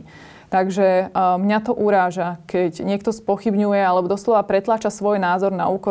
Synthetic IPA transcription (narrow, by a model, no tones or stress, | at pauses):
t̪aɡʒɛmɲat̪ɔʔuɾaːʒakɛɟɲɪɛkt̪ɔspɔxibɲujɛalɛbɔd̪ɔslɔʋapɾɛt̪laːt͡ʃasʋɔjnaːzɔɾna̰uːkɔ